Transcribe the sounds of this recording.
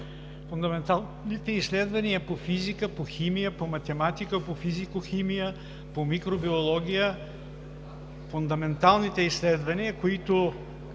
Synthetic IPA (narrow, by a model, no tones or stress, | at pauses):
fund̪ɐmɛnt̪a | nit̪ɛisːlɛd̪vɐniəpofizikəpoximijəpomɐt̪ɛmat̪ikəpofizikoximijə | pomikɾobiolˠɔɡʲijə | fund̪ɐmɛnt̪alˠnit̪ɛislɛd̪vɐniəkoit̪o